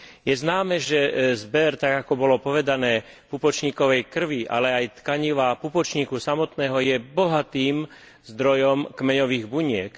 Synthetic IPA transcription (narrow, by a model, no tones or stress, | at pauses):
jɛznaːmɛʒɛzbɛɾt̪aɡakɔbɔlɔpɔʋɛd̪anɛː | pupɔt͡ʃɲiːkɔʋɛjkr̩ʋiʔa̰lɛajt̪kaɲiʋapupɔt͡ʃɲikusamɔt̪nɛːɦɔjɛbɔɦat̪iːm | zd̪ɾɔjɔmkmɛɲɔʋiːɣbuɲɪɛk